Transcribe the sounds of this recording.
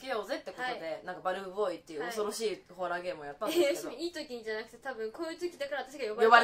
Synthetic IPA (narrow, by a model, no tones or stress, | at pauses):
keo̞ze̞t̪ːe̞kot̪od̪e̞nãŋkabaɾɯ̟ɯbo̞it̪ːe̞jɯ̟oso̞ɾo̞ɕiːho̞ɾaːɡe̞ːmɯojat̪ːãndesemiːt̪o̞kʲiɲ̟id͡ʑanakɯ̟t̪e̞̥t̪abɯ̟̃ŋkoːɯ̟t͡sɨːkʲid̪akaɾaβat̪aɕ̬iɡajobajoba